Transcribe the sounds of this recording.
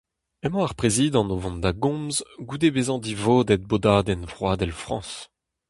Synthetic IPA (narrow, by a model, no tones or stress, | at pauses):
ɛmɑ̃aʁpʁeziːd̪ɑ̃novɔ̃nd̪aɡɔ̃mzɡud̪ebezɑ̃d̪ivoːd̪ɛt̪̚bod̪aːd̪ɛnvʁwaːd̪ɛlfχɑ̰̃ːs